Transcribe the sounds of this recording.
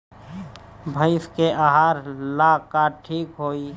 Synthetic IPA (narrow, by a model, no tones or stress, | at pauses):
bʱəɪskeʔaɦaːɾlakaʈʰiːkɦoːi